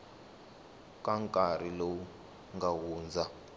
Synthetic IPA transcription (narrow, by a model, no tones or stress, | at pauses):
kaŋkʼarilowu | ŋɡawuːnd͡zʱa